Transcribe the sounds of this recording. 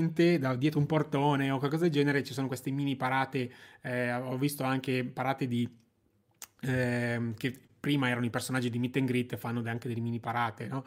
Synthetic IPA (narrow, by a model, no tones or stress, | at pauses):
nt̪ed̪ad̪jɛːt̪ɾoumport̪oːneokwalkɔzad̪eld͡ʒɛːneɾet͡ʃisoːnokwest̪emiːnipaɾaːt̪eɛɔvːist̪oaŋk̟epaɾaːt̪ed̪i | ɛke | pːɾiːmaɛːɾanoipersonad͡ʒːid̪imit̪ːeŋɡɾit̪ːfanːod̪aŋked̪elːemiːnipaɾaːt̪enɔ